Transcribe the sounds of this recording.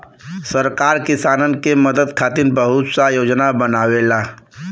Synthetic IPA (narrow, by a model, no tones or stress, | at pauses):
səɾkaːɾkɪsaːnənkeməd̪əd̪kʰaːt̪ɪnbəɦʊt̪sajoːd͡ʒnabənaːwela